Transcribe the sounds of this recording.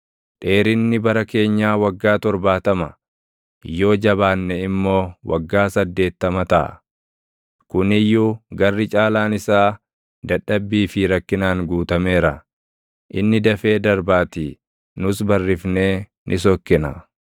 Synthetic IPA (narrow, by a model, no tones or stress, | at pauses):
ᶑe̞ːɾɪnːɪbɐɾɐke̞ːɲːaːwɐɡːaːt̪ɔɾbaːt̪ɐmɐ | jo̞ːd͡ʒɐbaːnːɛɪmːo̞ːwɐ̰ɡːaːsɐd̪ːe̞ːt̪ːɐmɐt̪ɐʔɐ̰ | kʊnɪjːuɡɐrːɪt͡ʃʼaːlaːnɪsaː | d̪ɐᶑɐbːiːfɪɾɐkːɪnaːŋɡuːt̪ɐme̞ːɾɐ | ʔɪnːɪd̪ɐfe̞ːd̪ɐɾbaːt̪i | nʊsbɐrːɪfne̞ː | nʔɪs̬ɔkːɪnɐ̰